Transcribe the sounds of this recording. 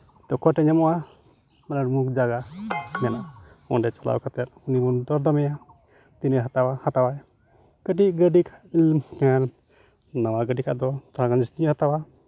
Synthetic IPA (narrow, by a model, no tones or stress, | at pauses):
t̪ɔkʰɔʈɛɲɛmɔwa | anaɾmuk̚d͡ʒaɡanɛnaʔ | ɔɖɛt͡ʃala̰wkat̪ɛt̪̚unibund̪ɔɾd̪amɛja | t̪inəɦat̪awahat̪awaj | kəʈiɡəɖikʰalkɛ | nawaɡəɖikʰa̰ʔd̪ɔt̪aɾakand͡ʒist̪iɲɔhat̪awa